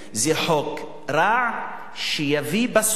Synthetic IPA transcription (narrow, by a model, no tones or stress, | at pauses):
zeħok | ɾaʕ | ʃejavibas